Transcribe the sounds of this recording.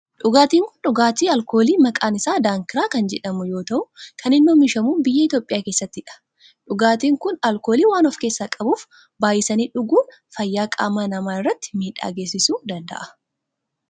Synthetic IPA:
ᶑʊɡaːt̪iːŋkʊ̥nᶑʊɡaːt̪iːɐlko̞ːliːmɐkʼaːnɪsaːd̪aːŋkɪɾaːkɐnd͡ʒɛᶑɐmʊjo̞ːt̪ɐʔʊkʰɐnɪnːuːmɪʃɐmuːbɪjːɐɪt̪jo̞ːpʼɪjaːkeːsːɐt̪ːɪᶑɐ̥ | ᶑʊɡaːt̪iːŋkʊnɐlko̞ːliːwaːnɔfke̞ːsːaːkʼɐbuːf | baːjɪsɐniːᶑʊɡuːn | fɐjːaːkʼa̰ːmaːnɐmaːɪrːɐt̪ːɪ̥miːᶑa̰ːɡe̞ːsːɪsuːd̪ɐnd̪ɐ̰ʔɐ

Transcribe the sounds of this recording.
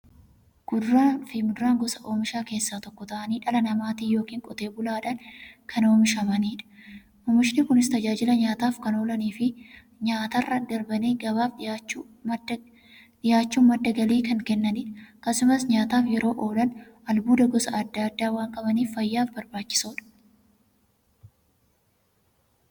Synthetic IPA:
ɡ̥ʊd̪ɾaːnfɪmʊd̪ʊɾaːŋɡɔsɐʔo̞ːmɪʃaːke̞ːsːaːt̪ɔkːɔt̪ɐʔɐniːᶑɐlɐnɐmaːt̪iːjo̞ːkiːŋkʼɔt̪e̞ːbʊlaːᶑɐnkʰɐno̞ːmɪʃɐmɐniːᶑɐ̥ | ɔːmɪʃnɪkʊnɪst̪ɐd͡ʒaːd͡ʒɪlɐɲaːt̪aːfkɐno̞ːlɐniːfɪ | ɲaːt̪ɐrːɐd̪ɐɾbɐneːɡɐbaːft͡ʃː | ᶑɪjaːt͡ʃːuːmɐd̪ːɐɡɐliːkɐŋkɛnːɐniːᶑɐkɐsʊmɐsɲaːt̪aːfjɛɾo̞ːʔo̞ːlɐnɐlbuːd̪ɐɡɔsɐɐd̪ːɐːɐd̪ːaːwaːŋkʼɐmɐniːfːɐjːaːfbɐɾbaːt͡ʃːɪ̥soːᶑɐ̥

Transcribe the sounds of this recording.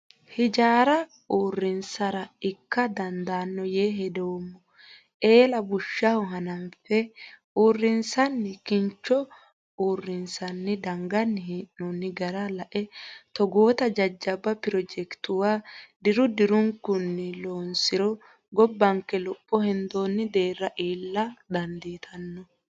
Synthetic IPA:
hɪd͡ʒaːɾɐ | uːrːɪnsɐɾɐɪkːɐd̪ɐnd̪aːnːɔjeːɦɛd̪ɛwɔmːɔ | ʔe̞ːlɐbʊʃːɐhʊɦɐnɐnfɛ | uːrːɪnsɐnːɪkɪnt͡ʃːɔ | uːrːɪnsɐnːɪd̪ɐŋɡɐnːɪhɛʔːɔnːɪɡɐɾɐlɐʔɛt̪ɔɡoːt̪ɐd͡ʒɐd͡ʒːɐbːɐpɪɾɔd͡ʒɛkt̪ʊwaːd̪ɪɾʊd̪ɪɾʊŋkːʊnːɪlo̞ːnsɪɾɔ | ɡɔbːɐŋkːɛlɔpʼːɔhɛnd̪o̞ːnːɪd̪e̞ːrːɐʔiːlːɐd̪ɐnd̪iːt̪ʰɐnːɔ

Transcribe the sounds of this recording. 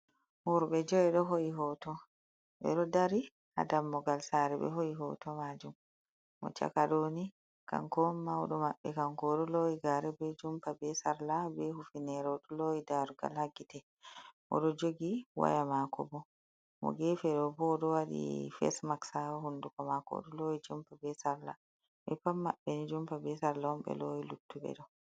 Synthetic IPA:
huɾbɛd͡ʒɔwɛɗɔɦoiɦɔtɔ | ɓɛ̰ɗɔdaɾi | ha̰damːɔɡalsaɾɛbɛ̰ɦoiɦɔ̰tɔmad͡ʒumː | ɔ̰t͡ʃa̰kaɗoni | ka̰ŋkɔmːawɗɔmaɓːɛkaŋkɔɗɔlɔwiɡaɾɛbɛd͡ʒumpabɛsaɾlabɛhufinɛɾɛɗɔlɔidaɾuɡa̰lhaɡitɛ | ʔɔ̰ɗɔd͡ʒoɡiwa̰jamakɔ̰bɔ | mɔ̰ɡɛfɛɗɔbɔɗɔwaɗḭfɛ̰smaksahundukɔmakɔ̰ɗɔlɔid͡ʒumpabɛsaɾla̰ | ɓɛpamːaɓːɛnid͡ʒumpabɛsaɾlaɔmbɛ̰lɔilutːuɓɛ̰ɗɔ

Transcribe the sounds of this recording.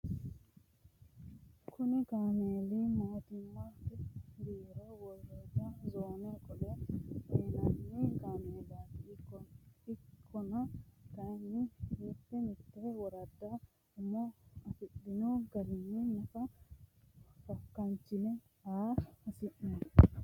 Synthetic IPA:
kʰʊnɪkaːmeːlimoːt̪ɪmːɐ | biːɾowɔlːod͡ʒɐzoːnekʼɔlɛenɐnːɪkaːmeːlat̪ɪkːɔɪkʰːɔnɐkɐjnːɪmɪt̪ːɛmɪt̪ːɛwɔɾɐd̪ːɐ | ɪmːɔɐfɪd̪ɪnoɡɐɾɪnːɪnɐfɐ | fɐkːɐnt͡ʃːɪnɛ | aːɐsɪʔnɐ

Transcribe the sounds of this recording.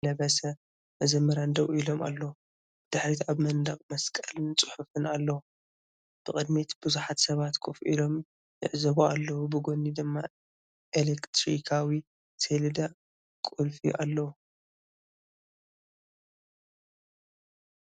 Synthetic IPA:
lɐβɐsɐ | ʔɨzɐmɐɾand̪ɐβilo̞mʔa̰lːɐwu | d̪̥ɨħɾit̪aβmɐnd̪ɐχʼmɐskʼɐlɨnt͡sʼɨħufɨnalːɐwu | b̥ɨxʼkʼɨd̪mit̪bɨzuħat̪sɐβat̪kʰofʔḭlo̞m | jɪʕzɐβualːɐwubɨɡo̞nːid̪ɨmːa | ʔelekt̪ʰɾikʰawi | seld̪a | kʼulfḭʔalːɐwu

